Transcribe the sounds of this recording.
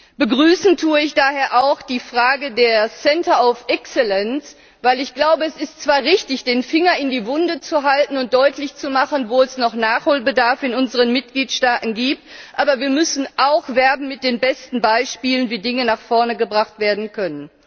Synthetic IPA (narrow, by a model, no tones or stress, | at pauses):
b̥əɡʁyːsn̩tʰuːəɪçd̥aːheːɐʔaʊxd̥iːfʁ̥aːɡədeːɐsɛntɐaʊfʔɛksɛlɛns | vaɪlɪçɡ̥laʊbəɛsɪstt͡sv̥aːɐʁɪçtɪçd̥eːnfɪŋɐɪndiːvʊndət͡suɦaltn̩ʊnt̚d̥ɔʏtlɪçt͡sumaχən̩voːɛsnɔχnaːχhoːlbədaɐfɪnʊnzəʁənmɪt̚ɡ̥liːtʃtaːtn̩ɡiːp̚tʔaːbɐviːɐmʏsn̩ʔaʊxv̥ɛɐbn̩mɪt̚d̥eːnbɛstn̩baɪʃpiːlənviːdɪŋənaχfɔɐnəɡəbʁaχtv̥eːɐdn̩kʰœnən